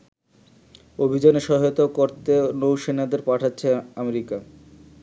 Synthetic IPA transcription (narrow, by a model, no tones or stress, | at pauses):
obʱid͡ʑaneʃɔɦot̪aokoɾt̪enowʃenad̪eɾpaʈʰatːɕʰeameɾika